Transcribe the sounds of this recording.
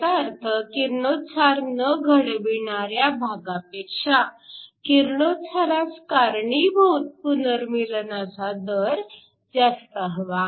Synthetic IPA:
t̪aɾt̪ʰəkiɾnot̪t͡sʰaɾnəɡʱəɽebiɳaɾjabʱaɡapekʂakiɾnot̪t͡sʰaɾaskaɾɳibʱut̪̚punəɾmilnat͡sad̪əɾ | d͡zast̪əɦəʋa

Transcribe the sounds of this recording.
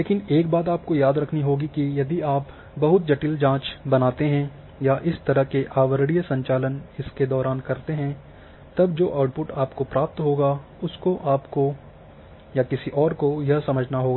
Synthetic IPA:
leːkɪneːk̚baːt̪aːp̚kojaːd̪ɾɐkʰniɦoːɡikijɐd̪iaːp | bɐɦʊt̪̚d͡ʒɐʈild͡ʒãːt͡ʃbɐnaːt̪eɦɛ̃ | jaʔɪst̪ɐɾəɦkeʔaːʋəɾɽijsɐ̃ɲt͡ʃaːlənɪsked̪ɔːɾaːnkɐɾt̪eɦɛ̃ | t̪ɐbd͡ʒoːʔaːʊʈ̚pʊʈaːpkopɾaːp̚t̪ɦoːɡa | ʊskoʔaːpko | jakɪsiʔɔːɾkojɐɦsɐməd͡ʒʱnaɦoːɡaː

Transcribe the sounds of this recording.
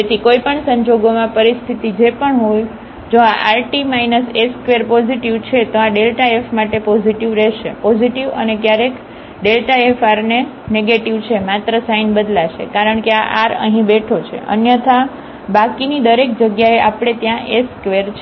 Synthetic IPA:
et̪ʰikoipəɳsəɲd͡ʒoɡomãpəɾist̪ʰit̪id͡ʒepəɳɦoj | d͡ʒoaʔalʈimajnəseskʋeɾpɔziʈiʋt͡ʃʰet̪oaɖelʈaefmaʈepɔziʈiʋɾɛʃepɔziʈiʋə̰nekjaɾek | ɖelʈaefaɾne | neɡeʈiʋt͡ʃʰemat̪ɾəsainbəd̪laʃḛkaɾəɳkeaʔaɾə̰ɦĩbeʈʰot͡ʃʰḛʔə̰njət̪ʰa | bakinid̪əɾek̚d͡ʒəɡjaeʔapɽ̃et̪jãʔeskʋeɾt͡ʃʰ

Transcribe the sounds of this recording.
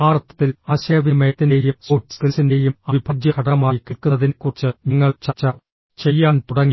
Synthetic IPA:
aːɾɐt̪ːɐt̪ːilaːɕɐjɐʋimeːt̪ːinejɾjumsoːʈːskisinde̞ːjumɐbʱibʱɐɡjɐkʰɐɽɐmaːjikiɭkuɐðinkurɨt͡ɕːɨniŋːɐɭt͡ɕɐt͡ɕːɐ | t͡ɕe̞jːaːnt̪uɽɐŋːi

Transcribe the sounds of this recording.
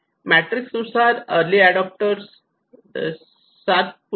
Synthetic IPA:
mæʈɾiksusad̪əɾliæɖɔp̚ʈəɾs | ad̪̚p

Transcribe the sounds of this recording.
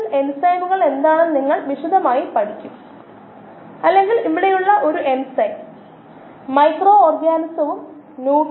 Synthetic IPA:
me̞nsɐjmuɣɐɭe̞nd̪aːɳɨniŋːɐɭʋiʂud̪ʱɐmaːjipɐʈʰikʲːum | ɐlːe̞ŋɡiliʋiɽe̞juɭːɐʔo̞ɾuʔe̞nsɐj | mɐjkro̞ːoːrɡaːnɐsɐʋum | nuː

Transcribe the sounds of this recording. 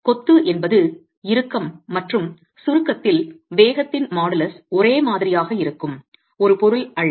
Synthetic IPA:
kɔt̪ːɯʔɛnbɐðɯ | ɪɾɯkːɐmːɐʈrɯm | sʊɾɯkːɐt̪ːɪlʋeːɣɐt̪ːɪnmaːɽɐlɐsɔɾeːmaːðɪɾɪjaːɣɐɪɾɯkːɯm | ɔɾɯpɔɾɯlɐɻ

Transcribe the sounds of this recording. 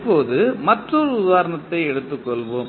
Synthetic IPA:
pːoːðɯmɐʈrɔɾɯʊðaːɾɐɳɐt̪ːɐɪɛɽɯt̪ːɯkːɔɭʋoːm

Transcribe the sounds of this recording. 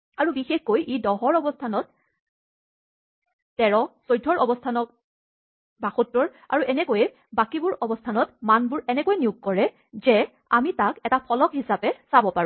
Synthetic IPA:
aɹubixexkojʔedɔɦɔɹɔbɔstʰanɔt̚ | tɛɹɔsojdʱɔɹʔɔbɔstʰanɔk̚ | baxotːɹɔɹ | a̰ɹuʔɛnɛkojɛ | bakibʊɹɔbɔstʰanɔtmanbʊɹɛnɛkojniuɡ̚kɔɹɛ | zɛ | amitakɛtapʰɔlɔkhisapɛsabɔpaɹʊ̃

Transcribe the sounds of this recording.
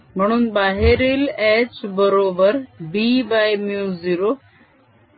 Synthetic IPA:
mɐɳ̃unbaːɦeɾileːt͡ʃbəɾoːbəɾbiːbaːjmjuːziɾo

